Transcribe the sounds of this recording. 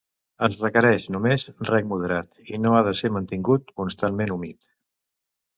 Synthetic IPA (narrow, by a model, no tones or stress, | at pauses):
əzrəkəɾɛʃnumezrɛk̚muð̞əɾat̪inoaðəseɾmənt̪iŋɡut̪̚kunst̪anmenumit̪